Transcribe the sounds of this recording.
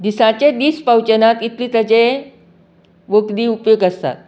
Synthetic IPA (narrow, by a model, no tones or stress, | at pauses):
d̪isãt͡ɕed̪iːspawt͡ɕənat̪it̪liːt̪əd͡ʑe | ʋokd̪iːupjoɡəst̪a̰t̪̚